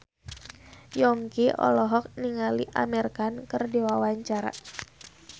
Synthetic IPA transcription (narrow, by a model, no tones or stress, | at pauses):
jɔŋkiʔɔ̰lɔɦɔk̚niŋaliʔa̰mɛrkankərdewawaɲt͡ʃaɾa̰